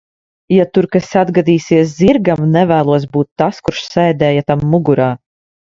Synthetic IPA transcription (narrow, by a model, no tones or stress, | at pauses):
jat̪uɾkasad̪ɡad̪iːsiɛsziɾɡamnɛvæːlˠuɔs̬buːt̪ːaskuɾʃsɛjd̪ɛːjat̪amːuɡuɾaː